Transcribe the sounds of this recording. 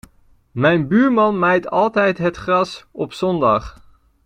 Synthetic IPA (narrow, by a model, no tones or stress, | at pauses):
mɛjnbyːɹmɑnmajtɑlˠtɛjtɦətχrɑsɔpsɔndɑ̰χ